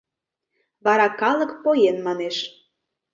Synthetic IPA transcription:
βɑɾɑkɑlɤ̆kpojenmɑneʃ

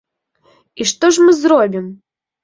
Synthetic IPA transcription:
iʂt̪ɔʐmɨzrobʲim

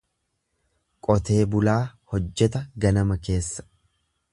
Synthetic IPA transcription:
kʼɔt̪e̞ːbʊlaːhɔd͡ʒːɛt̪ɐɡɐnɐmɐke̞ːsːɐ̥

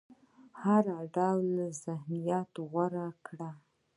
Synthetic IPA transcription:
haɾaɖawlazɪhnijɑt̪oɣaɾakɽa

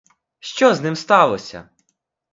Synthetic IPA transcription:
ʃt͡ʃɔznɪmst̪ɑlˠɔsʲɐ̰

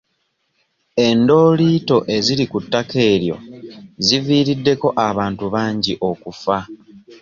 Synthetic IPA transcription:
e̞ndo̞ːliːto̞ʔe̞ziɾikutːake̞ːɾjo̞̰ziviːɾidːe̞ko̞ʔaβaːntuβaːɲɟiʔo̞kufa

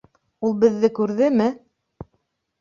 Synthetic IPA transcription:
ulˠbɘ̆ðːɘkʉɾðɘmɘ

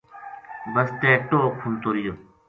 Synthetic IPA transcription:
bɐst̪eːʈoːkʰunt̪oːɾijo

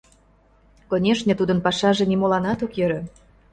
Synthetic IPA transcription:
konʲeʃnʲə̆t̪ud̪ənpɑʃɑʒĕnimolɑnɑt̪okjø̆ɾø̆

